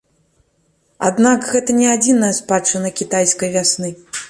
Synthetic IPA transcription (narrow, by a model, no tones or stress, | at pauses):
a̰d̪nakɣɛt̪ɐnʲɛad͡zʲinɐjɐspat͡ʂɨnɐkʲit̪ajskɐjvʲasnɨ